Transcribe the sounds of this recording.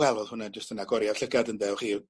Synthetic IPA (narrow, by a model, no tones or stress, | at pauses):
ɛlˠɔðˠhʊnand͡ʒəstənaɡɔɾjav̥ɬəɡadəndɛwχiː